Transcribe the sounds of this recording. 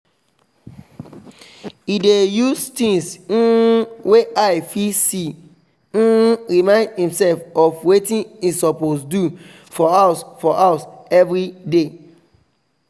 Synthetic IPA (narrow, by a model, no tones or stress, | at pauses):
idejustĩŋs̩ | weʔaɪfisi | ɹimãɪ̃ndhĩmsɛlfɔfwetĩnisɔposdu | fɔasfɔʔaʊsɛvɹide